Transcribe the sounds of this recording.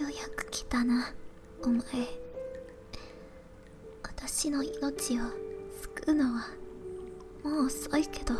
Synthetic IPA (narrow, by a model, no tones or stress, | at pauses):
jo̞jakɯ̥kʲi̥t̪ana | omae | wat̪aɕino̞ino̞t͡ɕiosɨ̥kɯno̞βa | mo̞ːso̞ike̞d̪̥o̞